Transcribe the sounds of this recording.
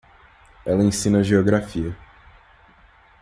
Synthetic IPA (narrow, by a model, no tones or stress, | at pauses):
ɛlɐẽsĩnɐʒeoɡɾafiɐ